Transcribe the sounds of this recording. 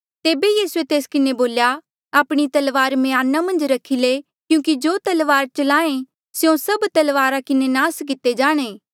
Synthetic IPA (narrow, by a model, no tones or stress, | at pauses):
t̪eːbejiːsuet̪eːskɪneboːlja | aːpɽ̃it̪ɐlʋaːɾmejaːnːamɐ̃nd͡ʒɾɐkʰile | kjũːkid͡ʒoːt̪ɐlʋaːɾt͡ʃɐlãːẽ | sjõsɐbt̪ɐlʋaːɾakɪnenãːsk̬ɪt̪ːed͡ʒaːɽ̃eː